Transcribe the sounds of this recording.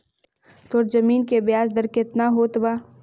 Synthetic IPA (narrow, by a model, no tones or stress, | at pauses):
t̪oːɾzɐmiːnkebɪjaːzd̪əɾkɪt̪naɦoːt̪baː